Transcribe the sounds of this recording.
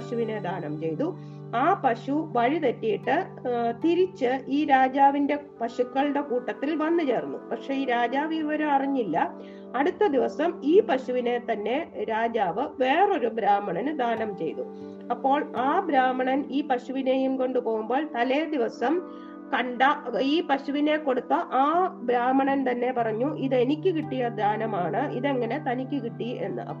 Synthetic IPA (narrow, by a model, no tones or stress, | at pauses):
ɕuʋine̞d̪aːnɐmt͡ɕe̞jt̪u | aːpɐɕuʋɐɻit̪etːijiʈːɨ | t̪iɾit͡ɕːɨiːɾaːd͡ʑaːʋinde̞pɐɕukːɐɭɨɽe̞kuːʈːɐt̪ːilʋɐnːɨt͡ɕe̞ːrunːṵpɐkʂe̞iːɾaːd͡ʑaːʋiʋɐɾuɐriɲːilːɐ | ɐɽut̪ːɐd̪iʋɐsɐmiːpɐɕuʋine̞t̪ɐnːe̞ɾaːd͡ʑaːʋɨʋe̞ːro̞ɾubɾaːmɐɳɐnd̪ʱaːnɐmt͡ɕe̞̰jt̪u | ɐpːo̞ːɭaːbɾaːmɐɳɐniːpɐɕuʋine̞ːjumko̞ɳɖupo̞ːɣumbo̞ːɭt̪ɐled̪iʋɐsɐm | kɐɳɖaiːpɐɕuʋine̞ko̞ɽut̪ːɐʔaːbɾaːmɐɳɐnt̪ɐnːe̞pɐrɐɲːuʔiðe̞nikʲːɨkiʈːijɐd̪ʱaːnɐmaːɳɨʔiðeŋːɐne̞t̪ɐnikʲːɨkiʈːie̞̰nːɨ̰ʔɐ̰pː